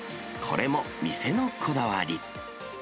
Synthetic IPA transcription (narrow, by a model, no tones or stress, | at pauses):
kʰo̞̰ɾʔe̞mo̞ | mʲise̞nokʰo̞d̪aβaɾʲi